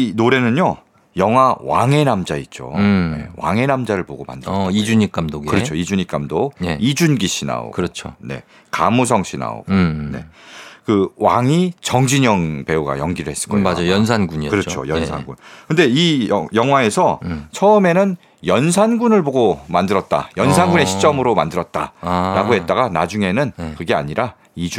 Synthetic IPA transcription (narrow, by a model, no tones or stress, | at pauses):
inoɾe̞nɯɲo | jʌŋɦawa̰ŋe̞namd͡ʑait̚t͡ɕ͈o̰nḛwa̰ŋe̞namd͡ʑaɾɯɭboɡoma̰ndɯid͡ʑuɲik͈amdoɡkɯɾʌt͡ɕʰoid͡ʑuɲik͈amdoeid͡ʑunɡiɕʰina̰o̰kɯɾʌt͡ɕʰo̰ne̞̰ | kamus̬ʰʌŋɕʰina̰o̰ɡone̞̰kɯwaŋit͡ɕʌŋd͡ʑiɲʌŋpe̞uɡa̰jʌŋɡiɾɯɭhe̞s͈ɯ̥ɭk͈ʌmad͡ʑajʌnsʰanɡuɲikɯɾʌt͡ɕʰo̰jʌnsʰa̰nɡunkɯnde̞ijʌjʌŋɦwae̞sʰʌt͡ɕʰʌɯme̞nɯn | jʌns̬ʰanɡunɯɭboɡomandɯɾʌt̚t͈a̰jʌnsʰanɡune̞ɕʰi̥t͡ɕ͈ʌmɯɾoma̰ndɯɾʌt̚t͈a̰ɾaɡoɦe̞t̚t͈aɡanad͡ʑuŋe̞nɯnkɯɡe̞a̰ɲiɾʔa | id͡ʑ